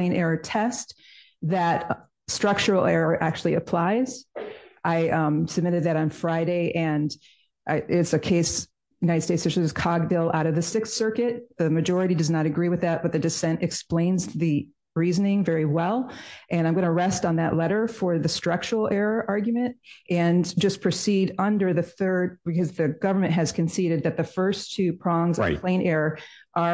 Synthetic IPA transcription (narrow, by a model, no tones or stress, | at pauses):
ɨ̃nɛɹɨtʰɛst̪ | ðɨt̚ | stɹ̥ʌk̚t͡ʃə˞l̩ˠɛɹəʔæk̚t͡ʃʉl̩ˠiɨpʰl̥aɪz̥ʔaɪmsɨb̚mɪɾɨd̪̚ðɨɾn̩fɹaɪɾeɪʔɨ̃n | ʔʔɪtsɨkʰeɪs | jɨnaɪɾɨd̥steɪtsʃɨɨz̥kʰɑɡ̚dɪlˠʔaʊɾʌvðɨsɪkssɜ˞kɨt̪̚ðɨmɨd͡ʒɔɹɨɾidʌznəɾɨɡɹiwɨðɨt̚b̥ʌt̪̚ðɨdɨsɛ̃ntɨksplẽɪ̃nzðɨ | ɹizɨnɪ̃ŋvɛɹiwɛlˠʔɨ̃ñãɪ̃mɡʌñəɹɛstn̩ðɨ̰ʔˡlɛɾə˞fə˞ðɨstɹ̥ʌk̚t͡ʃul̩ˠʔɛɹəʔɑɹɡjmɨ̃nt̚ʔɨ̃nd͡ʒʌspʰɹ̥ɨsiɾʌ̃ndə˞ðɨθɜ˞d̚bɨkʰʌzðɨɡʌvə˞mɨ̃nʔ̚ɦɨz̥kʰɨ̃n̩siɾɨd̪̚ðɨt̪̚ðɨfɜ˞stʰʉpʰɹ̥ɑ̃ŋzʌpʰl̥ẽɪ̃nɛɹə˞ʔə˞